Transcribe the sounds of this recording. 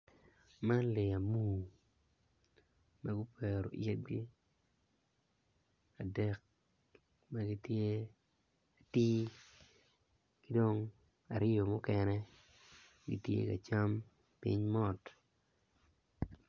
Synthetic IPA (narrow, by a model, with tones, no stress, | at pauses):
ma˦le˨a˨mu˦˨ | ma˦ɡʊ˦pʰɛ˨ɾo̰˨ʔjɛ˦t̚ɡi˦ | a˨dɛ˦k̚ | ma˦ɡi˦tje˦ | a˨ti˦ | kɪ˦do˦ŋ | a˨ɾɪ˦jo˨mʊ˦kɛnɛ˦ | ɡḭ˨tjḛ˦ka̰˨t͡ʃa˦m | pḭ˦ɲmɔ˦t